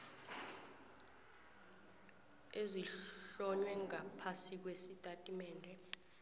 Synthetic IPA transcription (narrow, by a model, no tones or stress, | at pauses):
eziɬɔɲwɛŋapʰasik̬wesitʼatʼimɛːndʱɛ